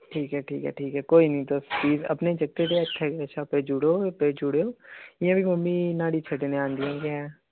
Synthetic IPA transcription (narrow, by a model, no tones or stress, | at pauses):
ʈʰiːkɦɛːʈʰḭːkɦɛ̰ːʈʰiːkɦɛːkoːiːnĩːt̪oːst͡ʃiːzə̰pnẽĩd͡ʒəɡ̚t̪eːt̪eət͡ʃʰːɛːkeəːʃʰaːpeɾd͡ʒʊɽoːped͡ʒʊɽeoːɪjãːbʱiːməmːĩːnaːɽiːt͡ʃʰəʈeːnẽãːnd̪ɪãːɡeɛ̃ː